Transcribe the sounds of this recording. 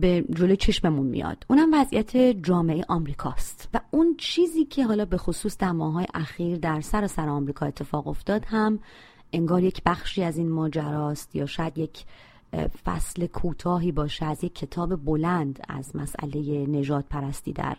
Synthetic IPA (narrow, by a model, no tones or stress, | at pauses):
bed͡ʒo̞lojet͡ʃʰe̞ʃmemunmḭjɒ̰ːd̪̥ʔuːnhæmvæzʔḭjæt̪ʰe̞d͡ʒɒːmeʔejḛʔɒmɾiːkʰɒ̰ːst̪væunt͡ʃʰiːziːcʰe̞ɦɒːlɒːbe̞xosuːsd̪æɾmɒːhɦɒːjḛʔæxiːɾd̪æɾsæɾɒːsæɾeɒmɾiːkʰɒːe̞t̪ʰːe̞fɒːɣo̞̰ft̪ɒːd̪hæm | ʔe̞ŋɡɒːɾje̞cʰbæxʃiːæziːnmɒːd͡ʒæɾɒːst̪jɒːʃɒːjæd̪je̞cʰ | fæ̰sle̞kʰuːt̪ʰɒːɦiːbɒːʃeæzjecʰːe̞t̪ʰɒːbe̞bolænd̪æ̰zmæsʔæ̰le̞je̞ne̞ʒɒːd̪̥̚pʰæɾæst̪iːd̪æ̰ɾ